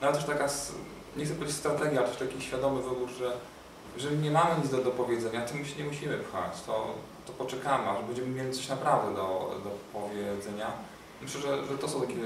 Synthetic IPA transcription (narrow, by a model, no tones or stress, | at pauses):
navɛt̪ɛʂt̪akas | ɲɛxk̪ɛpːd͡ʑʲst̪ɾat̪ɛɡʲjalt̪ɛʂt̪akʲiɕfʲjad̪ɔmɘvɘbuɾʐɛ | jɛʐɛlʲiɲɛmamɘɲit̪zd̪ɔd̪ɔpɔvʲjɛd̪zɛɲat̪ɔmuɕɛɲɛmuɕimɘpxa̰t͡ɕt̪ɔ | t̪ɔpɔt͡ʂɛkamɘaʐɛbɛɲd͡ʑɛmɘmʲjelʲit̪sɔɕnapɾavd̪ɛd̪ɔd̪ɔpɔvʲjɛd̪zɛɲa | mɘɕlɛʐɛʐɛt̪ɔs̬ɔ̃w̃t̪akʲem